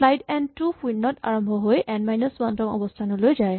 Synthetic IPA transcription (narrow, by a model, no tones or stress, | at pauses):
lajdɛntupwinːɔta̰ɹɔmbʱɔɦojʔɛnmajnɔswantɔŋɔ̰bɔstʰanɔlojzaj